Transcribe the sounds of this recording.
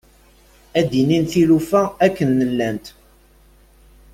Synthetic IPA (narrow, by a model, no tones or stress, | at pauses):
æd̪ininθilufæækːənːəlːænt̪